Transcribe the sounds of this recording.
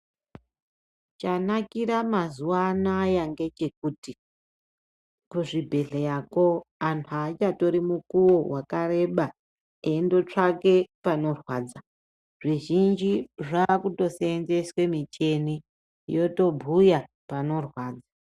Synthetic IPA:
t͡ʃanakiɾamazuwanajaŋɡe̞t͡ʃe̞k̚uːti | kuʐibʱe̞ɮejako̞antʰuat͡ʃato̞ɾimukuwo̞wakaɾe̞ɓa | endo̞t͡ʂake̞pano̞rwaːd͡za | ʐiʒind͡ʒiʐaːkuto̞seːnze̞swe̞mit͡ʃe̞ni | jo̞to̞bʱuja | pano̞rwaːd͡za

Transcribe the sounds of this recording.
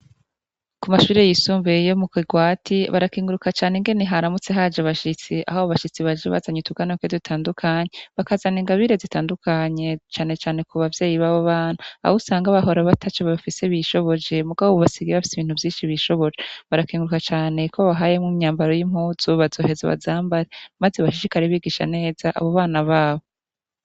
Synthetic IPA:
kumaʃuːɾe̞jisuːmvejo̞mukwiɡwaːtʰiβaɾakiːŋɡuɾukat͡ʃaːneŋɡe̞neɦaɾamut͡se̞ɦad͡ʒaβaʃit͡siʔa̰hoβaβaʃit͡siβad͡ʒeβa̰zaɲutuɡ̥anokwedutʰaːndukʰaɲeβakazaniːŋɡaβiɾezitaːndukʰaɲe̞t͡ʃaːne̞t͡ʃaːne̞kʰuβavje̞ːjiβaβoβaːn̥hua̰usaːŋɡaβaɦo̞ɾaβatʰat͡ʃoβafiseβiʃo̞βo̞d͡ʒe̞muɡaββoβasiɡieβafi̥siβiːn̥uvjiːnʃiβiʃo̞βo̞d͡ʒeβaɾakiːŋɡɾukat͡ʃaːne̞kʰoβaɦaːje̞muɲaːmbaɾo̞jim̥huːzuβazo̞ːɦe̞zeβa̰zaːmbaɾemazeβaʃiʃikaɾiβiːɡiʃa̰ne̞ːz̥aʔa̰βo̞βaːnaβaːβo

